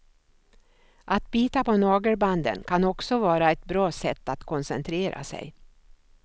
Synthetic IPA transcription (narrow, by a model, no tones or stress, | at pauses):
ʔat̪̚biːt̪apɔnɑːɡəɾband̪ə̰nkʰanɔksɔvɑːɾaɛt̪̚bɾɑːsɛt̪ːat̪kʰɔnsɛ̰nt̪ʰɾeːɾʔa̰sɛ̰j